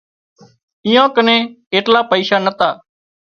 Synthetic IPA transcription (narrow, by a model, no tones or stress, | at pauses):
ɪjãːkənẽː | eːʈlaːpəiːsaːnət̪aː